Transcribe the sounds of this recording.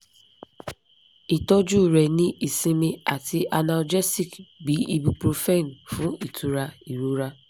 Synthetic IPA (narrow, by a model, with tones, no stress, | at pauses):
i˨tɔ˦d͡ʒu˦˨ɾɛ˨nĩ˦i˨sĩ˦mi˦a˨tʰi˦ʔa˨na˨ld͡ʒɛ˦si˨kɡ͡bi˨˦i˦bu˨˦pɾo˨fe˦˨n˨fʊ̃˨˦i˨tʰu˨ɾa˦i˨ɾu˦ɾa˦